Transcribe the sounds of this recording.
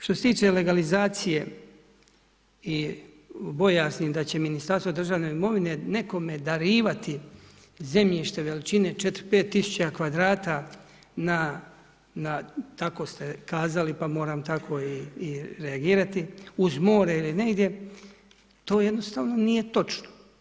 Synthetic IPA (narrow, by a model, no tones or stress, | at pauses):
ʃt̪oset̪iːt͡ʃe̞le̞ɡalizaːt̪sije̞ | i | bo̞jaːsnid̪at͡ɕe̞minist̪aɾsʋod̪r̩ʒaːʋne̞imo̞ʋine̞ne̞ko̞me̞d̪aɾiːʋat̪i | ze̞mʎiʃt̪e̞ʋe̞lit͡ʃine̞t͡ʃe̞t̪ɾpeːt̪ːisu̥t͡ɕakʋad̪ɾaːt̪a | na | nat̪ako̞st̪e̞kaːzalipamo̞ːɾaːmt̪akʰo̞iːɾeaɡiːɾat̪iuzmo̞ːɾeiline̞ɡd̪je̞ | t̪o̞ːje̞d̪no̞st̪aːʋno̞nije̞t̪o̞t͡ʃno̥